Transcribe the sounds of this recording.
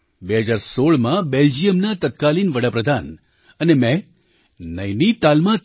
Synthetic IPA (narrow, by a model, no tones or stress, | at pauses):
beɦəd͡ʒaɾsoɭmãbeld͡ʒijəmnat̪ət̪kalinʋəɽapɾəd̪ʱan | ənemɛ̃ | nəjnit̪almã